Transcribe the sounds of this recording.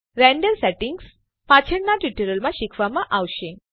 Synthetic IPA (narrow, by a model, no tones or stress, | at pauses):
ɾɛɳɖəɾsɛʈiŋɡs | pat͡ɕʰəɽnaʈiʈəɾəlmãɕikʰʋamãʔaʋɕẽ